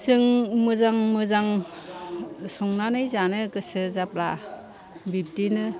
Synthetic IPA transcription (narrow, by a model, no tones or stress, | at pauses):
sɯŋmɯzaŋmɯzaŋ | sɔŋnanɯjzanɯkɯsɯzap̚la | bip̚tinɯ